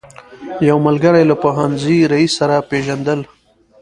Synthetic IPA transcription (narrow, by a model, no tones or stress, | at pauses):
jawmalɡəɾajlapoɦanziɾaisːaɾapeʒand̪əl